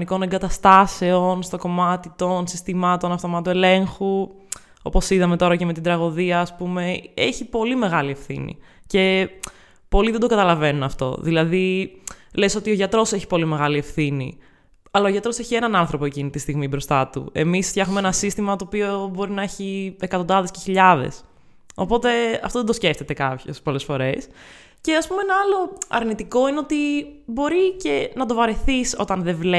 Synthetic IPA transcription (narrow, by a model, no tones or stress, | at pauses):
niko̞neŋɡɐt̪ɐst̪ɐse̞onst̪oko̞mɐt̪it̪onsist̪imɐt̪o̞nɐft̪o̞mɐt̪oele̞ŋxu | o̞po̞siðɐme̞t̪o̞ɾɐceme̞t̪id̪ɾɐɣo̞ðiɐːspume̞ḛçipo̞lime̞ɣɐlie̞fθḭnḭ | ce̞ | po̞liðed̪o̞ɡɐt̪ɐlɐve̞nunɐft̪o̞̰ðilɐði | leso̞t̪io̞ʝɐt̪ɾoseçi̥po̞lime̞ɣɐlie̞fθinḭ | ɐlɐoʝɐt̪ɾo̞seçie̞nɐnɐnθɾo̞poecinit̪ist̪iɣmibɾo̞st̪ɐt̪ṵe̞misfçɐxumeenɐsist̪imɐt̪o̞ːpiobo̞ɾinɐeçiekɐt̪od̪ɐðesceçiʎɐðe̞̰s | o̞po̞t̪e̞ɐft̪oðed̪osce̞ft̪e̞t̪ekɐpço̰spo̞le̞sfo̞ɾe̞s | ce̞ɐspumenɐɐlo̞ɐ̰ɾnit̪iko̞ineo̞t̪ibo̞ɾice̞nɐt̪o̞vɐɾeθiso̞̰t̪ɐnðevle